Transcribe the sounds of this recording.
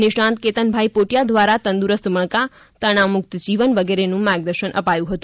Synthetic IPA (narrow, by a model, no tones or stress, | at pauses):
nɪʃɳãnt̪̚ket̪ənbʱajpoʈjad̪ʋaɾat̪ə̃nd̪uɾəst̪məɳka | t̪əɳ̃amʊk̚t̪d͡ʒiʋənʋəɡeɾenũmaɡ̚d̪əɾʃənʔə̰pajũɦət̪ũ